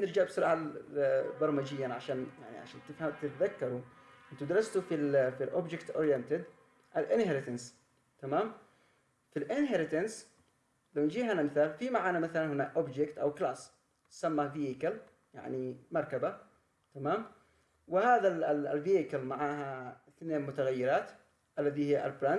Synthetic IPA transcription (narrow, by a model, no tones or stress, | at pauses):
nɪɾd͡ʒaʕbsʊɾˤɑːʕa | bɑɾˤmad͡ʒɪjːanʕaʃaːnja̰ʕnḭʕa̰ʃaːnt̪ɪfhamt̪ɪt̪ðakːɑɾˤuʔɪnt̪ud̪ɑɾˤɑst̪ufilfilʔo̰bd͡ʒɪkt̪ʔoːɾjant̪ɪd̪ | ʔalʔɪnhaɾɪt̪ans | t̪amaːm | filʔɪnɦaɾɪt̪ans | lawnd͡ʒiːhanamɪθaːlfimaʕaːnamaθalanhɪnaʔobd͡ʒɪkt̪ʔa̰wklaːs | samːaviːʔɪkal | ja̰ʕnimɑɾˤkaba | t̪amaːm | wɪhaːðalviːʔɪkalmaʕaːɦaɪθneːnmʊt̪aɣajːɪɾɑːt̪ | ʔalːaðihɪːʔa̰lbɾan